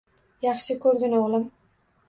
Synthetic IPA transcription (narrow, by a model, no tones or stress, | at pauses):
jɑχʃɪkʲʰɵɾɡʲɪnaɒlˠɪm